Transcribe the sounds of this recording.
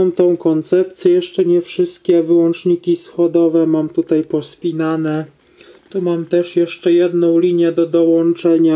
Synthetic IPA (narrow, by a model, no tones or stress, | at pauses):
mt̪ɔ̃w̃kɔnt̪sɛp̚t̪sʲjɛjɛʂt͡ʂɛɲɛfʂɘst̪̚kʲɛvɘwɔnt͡ʂɲikʲisxɔd̪ɔvɛmamt̪ut̪ajpɔspʲinanɛ | t̪umamt̪ɛʂjɛʂt͡ʂɛjɛd̪nɔ̃w̃lʲiɲjɛd̪ɔd̪ɔwɔnt͡ʂɛɲa